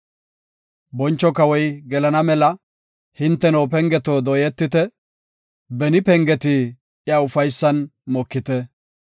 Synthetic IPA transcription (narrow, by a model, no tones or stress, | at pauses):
bɔnt͡ʃːɔkɐwɔjɡɛlɐnɐmɛlɐ | hɪnt̪ːɛnɔːp̬ɛŋɡɛt̪oːd̪ɔːjɛt̪ːɪt̪ɛ | bɛnɪpɛŋɡɛt̪ɪ | jɐʊfɐjsːɐnmɔkːɪt̪ɛ